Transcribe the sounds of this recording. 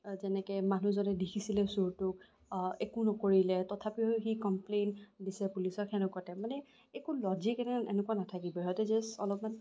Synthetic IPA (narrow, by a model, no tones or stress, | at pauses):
zɛnɛkɛmanuzɔnɛdikʰisilɛsuɹtʊk | ekunɔkoɹilɛtɔtʰapiɦojxikɔmplendisɛpulisɔkʰxɛnɛkatɛmanɛ | ekulɔzikɛnɛanʔenɛkuanatʰakibɔɦɔjtɛzɛsɔlɔpman